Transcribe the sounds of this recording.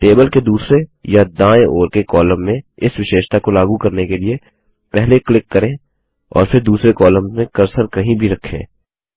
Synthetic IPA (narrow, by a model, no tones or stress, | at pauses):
ʈeːbəlked̪uːsɾejad̪ãːeoːɾkekɔːlə̃mːẽɪsʋɪʃeːʃt̪akolaːɡukɐɾnekelie | pɛɦleklɪkːɐɾẽː | ɔ̰ːɾfʰɪɾd̪uːsɾekɔːlə̃mzmẽkɐɾsəɾkɐɦĩbʱiɾɐkʰːḛ̃ː